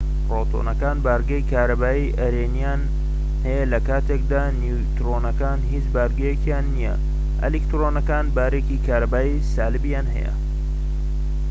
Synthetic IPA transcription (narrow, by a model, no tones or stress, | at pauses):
prot̪ʰo̰nɐkaːnbaɾɡɐjkʰaːɾɐbaːjiʔɐɾeːnijan | hɐjɐlɐkaːt̪ʰek̚d̪aːnu | t̪ɾonɐkaːnɦit͡ʃbaɾɡɐjekijaːnːijɛ̰ | ʔɐ̰likt̪ɾonɐkaːnbaːɾekikʰaːɾɐbaːjisaːlɨbijaːnɦɐ̰jɛ̰